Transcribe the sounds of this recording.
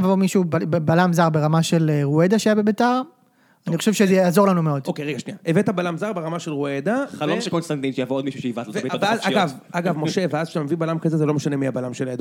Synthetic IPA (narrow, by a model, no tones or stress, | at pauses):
vomiʃubbebalamzaʁbe̞ʁamaʃe̞lʁued̪aʃeajabe̞betaʁ | anixχoʃevʃezejjaːzo̞lanumeo̞d̪okeʁeɡaʃniaevet̪abalamzaʁbeʁamaʃe̞lʁued̪aalomʃekonst̪ant̪inʃejavood̪miʃuʃeivatlotviazaɡav | aɡavmo̞ʃe̞veazʃamevibalamkazezelo̞meʃane̞miabalamʃeled̪